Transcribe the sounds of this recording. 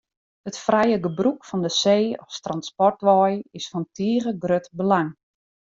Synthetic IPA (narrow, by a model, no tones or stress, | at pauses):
hətfrɛjəɡəbrukfɔndəseːɔfstranspɔrtʋɔjɪsfɔntʰiəɣəɡrøtbəlaŋ